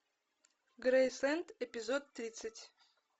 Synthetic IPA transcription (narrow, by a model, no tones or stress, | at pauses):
ɡɾejslˠɛnt̪epʲɪzot̪ːɾʲit̪sɨtʲ